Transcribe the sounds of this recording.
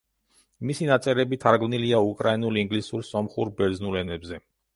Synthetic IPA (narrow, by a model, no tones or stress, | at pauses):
misinat̪sʼɛɾɛbit̪ʰaɾɡmniliaukʼɾainuliŋɡlisuɾsɔmχuɾbɛɾd̪znulɛnɛbzɛ